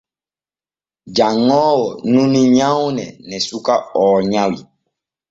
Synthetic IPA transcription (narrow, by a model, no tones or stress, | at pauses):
d͡ʒaŋɔwɔnũnĩɲãunɛ̰nɛsukaɔːɲãwi